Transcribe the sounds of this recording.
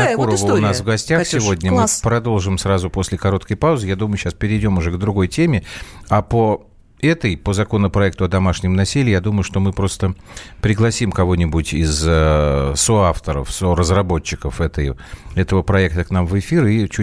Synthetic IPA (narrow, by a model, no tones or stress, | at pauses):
ɐkuɾvənasvɡɐsʲtʲaxsʲɪvo̞dʲnʲəmɨpɾɐd̪o̞lˠʐɨmsɾazʊposʲlʲɪkɐɾo̞t̪kəjpaʊzɨjad̪uməjʊɕaspʲɪɾʲɪɪdʲo̞mʊʐɛɡd̪ɾʊɡo̞jtʲemʲɪapə | ɛt̪əjpəzɐko̞nəpɾɐɛk̚t̪ʊɐd̪ɐmaʂnʲɪmnɐsʲilʲɪjad̪uməjʊʂt̪o̞mɨpɾo̞st̪əpɾʲɪɡlˠɐsʲimkɐvo̞nʲɪbʊtʲɪzəsoaft̪əɾə̰fsorəzrɐbo̞t͡ɕːɪkəfɛt̪əjɛt̪əvəpɾɐɛk̚t̪əknamvɨfʲirit͡ɕu